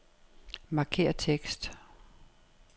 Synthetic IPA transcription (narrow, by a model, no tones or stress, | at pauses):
mɑ̈kʰe̝̰ːɐt͡sʰeɡ̥sd̥